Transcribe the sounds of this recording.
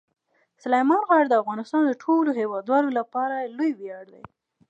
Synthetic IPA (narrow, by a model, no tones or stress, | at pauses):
sʊlajmɑnɣɑɽd̪əafɣɑnɪst̪ɑnd̪əʈʰoloɦewɑd̪wɑlolapɑɾalojbijɑɽd̪a̰j